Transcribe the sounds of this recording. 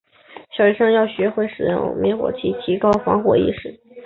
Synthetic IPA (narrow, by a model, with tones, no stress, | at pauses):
ɕjɑ˨˩ʊɻɛ˧˥ʂɤ˥ŋjɑ˥˩ʊɕɥɛ˧˥xwe˥˩ɪʂɻ̩˨˩jʊ̰˥˩ŋmɛ̰˧˥xwɔ̰˨˩t͡ɕʰi˥˩t͡ɕʰi˧˥kɑ˥ʊfɑ̰˧˥ŋxwɔ̰˨˩ḭ˥˧ʂɻ̩˥˩˦